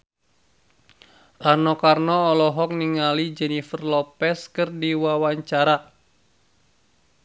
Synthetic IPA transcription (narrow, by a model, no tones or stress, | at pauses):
ʔanɔkarnɔːlɔɦɔk̚niŋalid͡ʒɛnifərlɔpɛskɨrdiwawaɲt͡ʃaɾa